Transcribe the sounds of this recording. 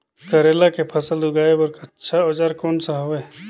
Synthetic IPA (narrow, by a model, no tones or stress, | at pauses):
kəɾeːlakepʰəsəldʊɡaːebəɾktːʃʰaɔːd͡ʒaːɾkɔːnsaɦoeː